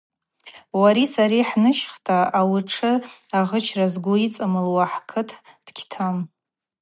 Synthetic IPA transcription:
waɾisaɾiħnɨʃχtʰʼaawʊʈ͡ʂʰɨaʁət͡ʃʰrazɡʷʊit͡sʼɨmɨlwaħkʰɨtʰd̥kʲʰtʰam

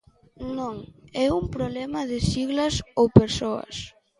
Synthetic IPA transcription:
nõŋɛumpɾoβlɛmɐðɪsiɣlɐsowpeɾsoɐ̰s

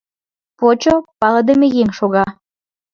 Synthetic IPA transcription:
pot͡ɕopɑlɤd̪emejeŋʃoɣɑ

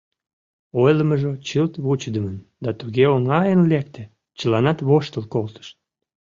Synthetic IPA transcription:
ojləməʒot͡ɕəlt̪βut͡ɕd̪əmənd̪ɑt̪uɣeoŋɑjənlek̚t̪ĕ | t͡ɕəlɑnɑt̪βoʃt̪əlkolt̪ə̥ʃ

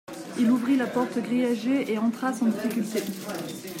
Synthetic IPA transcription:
iluvʁilapɔʁt̪əɡʁijaʒeʔeɑ̃t̪χasɑ̃d̪ifikʲylt̪e

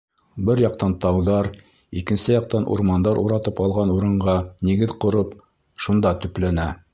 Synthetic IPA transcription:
bɘɾjɑq̚t̪ɑnt̪ɑwðɑɾ | ikɘ̆nsɘjɑq̚t̪ɑnʔṵɾmɑnd̪ɑɾʔṵɾɑt̪ɤpɑlˠʁɑnuɾɤ̆ɴʁɑniɡɘðqŏɾɤp | ʃund̪ɑt̪ɵ̆plænæ

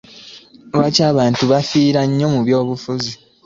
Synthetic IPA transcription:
βacaːβaːntuβafiːɾaɲːo̞muβjo̞ːβufuzi

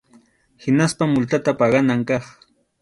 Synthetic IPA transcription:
hɪnaspamːʊlt̪at̪apɑɢɑnaŋkɑχ

